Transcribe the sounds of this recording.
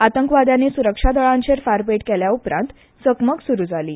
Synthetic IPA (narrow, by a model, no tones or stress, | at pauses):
at̪əŋkʋad̪jãnesuɾəkʂad̪əɭãɲt͡ɕeɾfaɾpeʈkeljaupɾã̰nt̪ | səkməksuɾud͡zʱaliː